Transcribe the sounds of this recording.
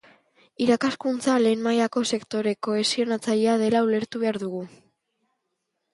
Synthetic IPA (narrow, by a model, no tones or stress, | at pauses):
iɾakaskunt͡sale̞ːnmajako̞se̞kt̪o̞ɾe̞ko̞e̞sio̞nat͡saʎiað̞e̞laule̞ɾt̪uβe̞aɾðuɣu